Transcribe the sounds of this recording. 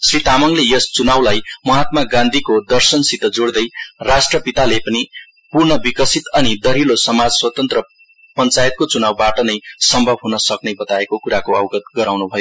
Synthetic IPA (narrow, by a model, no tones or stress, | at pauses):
srit̪amʌŋlejʌst͡sunawlajmʌɦat̪̚maɡãnd̪ʱikod̪ʌrsʌnsit̪ʌd͡zoɽd̪ʌjrasʈrʌpit̪alepʌni | purnʌbikʌsʰit̪ʌnid̪ʌɾilosʌmad͡zswʌt̪ʌnt̪rʌ | pʌnt͡sajet̪̚kot͡sunawbaʈʌnʌjsʌmbʱʌbʱɦunʌsʌknebʌt̪aekokuɾakoʌwɡʌt̪̚ɡʌɾawnubʱʌjo